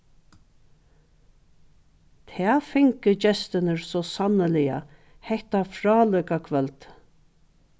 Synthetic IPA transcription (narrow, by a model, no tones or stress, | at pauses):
t̪ʰɛːfɪŋkɪd͡ʒɛst̪ɪnəɹsɔsanəlɪja̰ | hɛht̪afɾɑːlœjkakʰvɛlt̪